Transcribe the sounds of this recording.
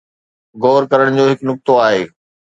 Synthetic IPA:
ɡoːɾkɐɾəɽ̃d͡ʑoːɦɪknʊk̚t̪oaːɦḛː

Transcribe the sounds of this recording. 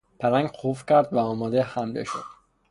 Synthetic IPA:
pʰæɾæŋɟqʰofcʰæɾd̪væɒːmɒːd̪ehæmlḛʃo̰d̪̥

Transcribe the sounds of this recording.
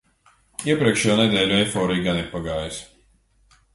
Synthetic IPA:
iɛpɾiɛkʃɛjoːnɛd̪ʲeːlʲuɛjfɔːɾijɡaniɾpaɡaːjis

